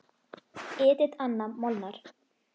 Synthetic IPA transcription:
ɪːt̪ɪt̪anːamɔlnaɾ̥

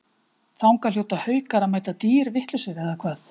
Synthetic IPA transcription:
θawŋkaljowt̪ahœːɥkaɾamaːjt̪at̪iːɾvɪht̪lʏsɪɾɛðakʰvaːθ

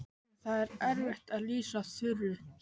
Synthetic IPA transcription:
θaðɛɾɛɾvɪht̪aðliːsaθʏrːʏ

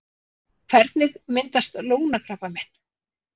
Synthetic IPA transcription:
kʰvɛɾt̪nɪɣmɪnt̪ast̪loːwnakɾaːpamɛn̥

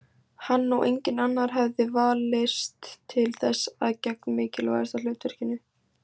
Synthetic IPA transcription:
hanːuwʔḛjɲcɪnanːaɾ̥ɦɛvðɪvaːlɪst̪ʰːɪlθɛsːa̰ðcɛk̚nmɪːcɪlva̰ðɛst̪al̥ʏːt̪vɛɾ̥cɪnːʏ

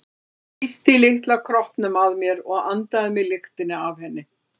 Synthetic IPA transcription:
ist̪ɪlɪht̪lakʰɾɔhpnʏmaðmjɛɾɔɣant̪aðɪmɪlɪxt̪ɪnːɪav̥hɛnːɪ

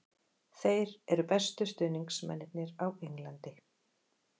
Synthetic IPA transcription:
θejɾɛɾʏpɛst̪ʏst̪ʏːniŋksmɛ̰nːɪt̪̚nɪɾaweŋlant̪ɪ

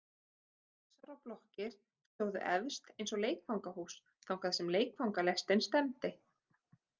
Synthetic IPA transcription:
θθɛsːaɾawplɔhcɪɾ̥ | st̪oːwðʏ̰ʔɛvst̪ejnsɔɣleːjkfawŋkahuːs | θawkʰaðsɛmleːjkfawŋkalɛst̪ɪnst̪ɛmt̪ɪ

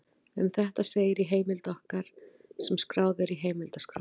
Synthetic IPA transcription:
ʏ̰mθɛht̪aseːjɪɾiɦeːjmɪlt̪ɔhkaɾ̥ | sɛmskɾaːwðɪɾiɦeːjmɪlt̪askɾa̰

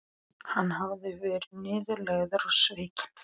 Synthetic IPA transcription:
hanːhavðɪvɛːɾnɪːðʏɾlɛɣðʏɾasvɪːcɪ̥n

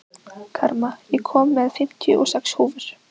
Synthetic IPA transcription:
kʰaɾmajɛkʰɔːmːɛðfɪm̥t̪jʏ̰ʔɔsɛkshuːvʏɾ̥

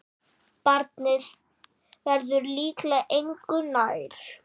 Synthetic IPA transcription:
paɾt̪nɪð | vɛɾðʏɾliːklɛʔejŋkʏnaːjɾ̥

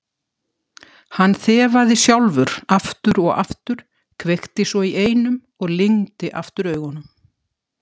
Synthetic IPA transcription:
hanːθɛːvaðɪsjawlvʏɾaft̪ʏɾɔɣa̰ft̪ʏɾ̥ | kʰvext̪ɪsɔiʔeːjnʏm | ɔɣlɪŋt̪ɪʔa̰ft̪ʏɾœːɥɣhɔnːʏm

